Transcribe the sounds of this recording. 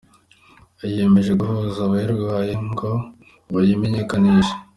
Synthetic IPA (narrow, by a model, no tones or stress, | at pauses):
aje̞me̞ʒe̞ɡuhuzaβaiɾɡβajeŋɡo̞ | βajime̞ɲe̞kaniʒe̥